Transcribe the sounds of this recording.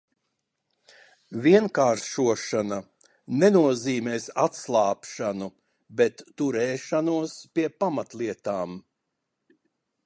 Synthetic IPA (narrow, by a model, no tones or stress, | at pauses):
viɛnkaːɾʃuɔʃana | nɛnuɔziːmɛːsat̪slˠaːpʃanu | bɛt̪ːuɾɛːʃanuɔspiɛpamat̪lˠiɛt̪aːm